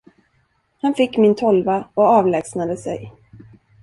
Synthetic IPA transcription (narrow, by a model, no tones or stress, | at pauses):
hanfɪkːmɪnt̪ʰɔlvaɔɑːvlɛːɡsnad̪əsɛ̰j